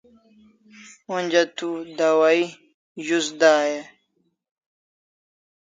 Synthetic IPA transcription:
onʲd͡ʑat̪ud̪awai | ʑusd̪aːje

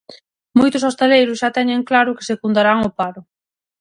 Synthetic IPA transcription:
mojt̪ʊsost̪elejɾʊsʃat̪ɛɲeŋklaɾʊke̥sekund̪aɾaŋʊpaɾʊ

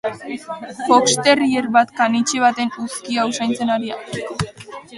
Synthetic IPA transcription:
po̞kst̪e̞rieɾβat̪kanit͡ʃeβ̞at̪e̞nuskiausajnt͡se̞naɾia

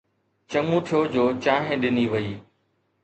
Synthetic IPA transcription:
t͡ɕəŋũt̪ʰijoːd͡ʑoːt͡ɕaːɦẽɗɪniːʋəiː

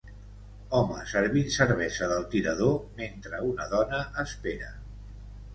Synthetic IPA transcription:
ɔmə̰səɾβinsəɾβ̞ɛzəðəlˠt̪iɾəðoment̪ɾəunəðɔnəʔːspeɾə

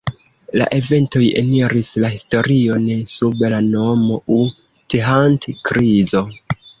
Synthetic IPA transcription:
la̰ʔe̞ve̞nto̞jḛniɾislahisto̞ɾio̞nsubelano̞mo̞ʔu | teɦantkɾizo̞

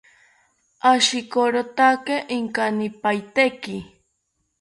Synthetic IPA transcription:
aʃɪkoɾot̪akeʔɪŋkanɪpajt̪ekɪ

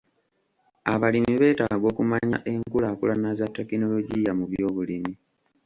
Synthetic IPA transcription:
aβalimiβe̞ːtaːɡo̞ːkumaɲa̰ʔe̞ŋkulaːkulanazatːe̞kino̞lo̞ɟijamuβjo̞ːβulimi

